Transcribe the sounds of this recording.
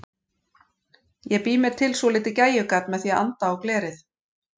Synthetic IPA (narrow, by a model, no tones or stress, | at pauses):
jɛɣpiːmɪɾ̥t̪ʰɪlsɔlɪːt̪ɪcaːjʏkat̪nmɛðθjɛa̰nt̪aawklɛːɾɪθ